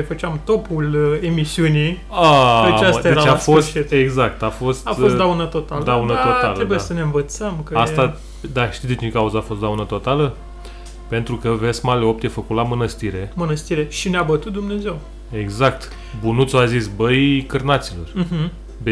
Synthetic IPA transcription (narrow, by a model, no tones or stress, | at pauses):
efət͡ʃɪamt̪o̞pule̞misiuni | aaasd̪aeeat͡ʃasfost̪it̪eɡzak̚t̪afo̞st̪afod̪aunət̪o̞t̪aləd̪aunət̪oaləɾedbujesəne̞ɨnvət̪səmkəast̪a | d̪aʃt̪isd̪et͡ʃekauzəafo̞st̪d̪awnət̪o̞t̪alə | pe̞nt̪ɾukəvesmaleop̚t̪jefəkut̪lamɨnəst̪iɾe̞mɨnəst̪iɾe̞ʃineabət̪ut̪̚d̪umne̞ze̞w | e̞ɡzak̚t̪ | bunut̪soazisbəjkɨrnat̪silo̞̰r̩ɦ̩ | be